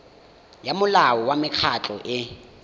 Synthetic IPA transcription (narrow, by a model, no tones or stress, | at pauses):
jamʊlaɔwamɪk͡xʰat͡ɬʼɔʔɪ